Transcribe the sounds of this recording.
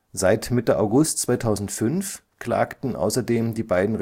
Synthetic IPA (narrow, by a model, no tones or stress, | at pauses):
zaɪtmɪtəʔa̰ʊɡʊstt͡sv̥aɪtʰaʊzn̩tfʏnf | kʰla̰ːktn̩ʔa̰ʊsɐdeːmdiːbaɪdn̩ʁ